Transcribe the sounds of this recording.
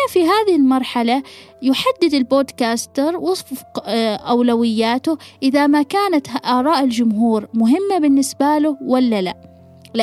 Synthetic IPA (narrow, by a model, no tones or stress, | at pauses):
afiɦaːðɪhɪlmɑɾˤħalajʊħad̪ːɪd̪ɪlboːd̪kaːst̪ɑɾˤwʊsˤfqʔawlawɪjːaːt̪ʊʔɪðamakaːnat̪ʔɑːɾˤɑːʔɪld͡ʒʊmɦuːɾmʊɦɪmːabɪnːɪsbalʊwalːala̰ | l